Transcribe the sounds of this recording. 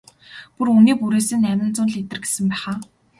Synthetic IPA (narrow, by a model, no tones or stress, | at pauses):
puruniːpuɾeːsɘ̆nːæmʲɪ̆nt͡sʊnɮet̪ɘ̆rɡe̥sɘ̆mpæːχaː